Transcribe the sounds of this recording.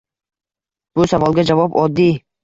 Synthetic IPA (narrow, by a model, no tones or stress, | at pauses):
b̥usavɒlˠɡʲad͡ʒavɒpɒd̪ːi